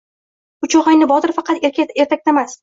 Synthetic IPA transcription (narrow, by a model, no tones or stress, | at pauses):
ʊt͡ʃʰɒʁɑjnɪbɒd̪ɪɾfɑqɑt̪ʲeɾt̪ʰak̚ʲt̪amas